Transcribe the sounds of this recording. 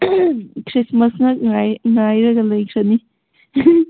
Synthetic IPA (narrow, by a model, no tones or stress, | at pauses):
kʰɾismɐsnɐŋajŋajɾɐɡɐlɐjkʰɾɐni